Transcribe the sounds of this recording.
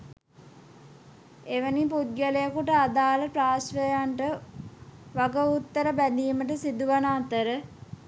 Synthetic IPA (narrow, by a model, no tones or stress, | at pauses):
eʋənipud̪̚ɡələjəkuʈəad̪aːləpraːsʋəjaɳʈə | ʋaɡəut̪ːəɾəbæd̪iːməʈəsid̪uʋanaːt̪əɾə